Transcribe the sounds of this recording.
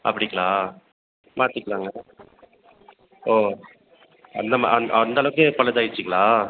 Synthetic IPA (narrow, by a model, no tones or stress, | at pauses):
ʔɐ̰pːɐɽɪkːɐɭaː | maːt̪ːɯkːɐɭaːŋɡɐ | oː | ɐ̰nd̪ɐma̰ɐɐnd̪aːlɐʋɯkːɯpɐɭɐt̪aːjɪɾt͡ʃːɯkːɐɭaː